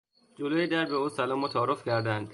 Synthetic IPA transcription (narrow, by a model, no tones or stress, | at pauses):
d͡ʒoloːjed̪æɾbeuːsælɒːmɔːt̪ʰɒːɾofcʰæɾd̪ænd̪̥